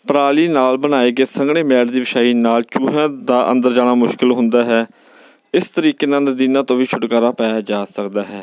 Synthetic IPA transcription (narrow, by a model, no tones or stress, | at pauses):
pəɾaːliːnaːlbənaːeːɡeːsəŋɡɳeːmɛːɾd̪iːʋɪʃaːiːnaːlt͡ʃuːɦãːd̪aːʔə̰̃nd̪əɾd͡ʒaːñaːmʊʃkɪlɦʊ̃nd̪aːɦɛː | ɪst̪əɾiːkeːnãːnəd̪iːnãːt̪õːʋiːt͡ʃʰʊʈkaːɾaːpɛːjaːd͡ʒaːsəkd̪aːɦɛː